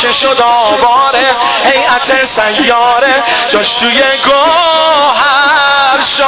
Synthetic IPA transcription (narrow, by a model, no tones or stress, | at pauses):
eʃod̪ɔː | bɒːɾe | hejæt̪ʰesæjːɔːɾe | d͡ʒɒʃt̪ʰujeɡo | ɦæ | ɾʃ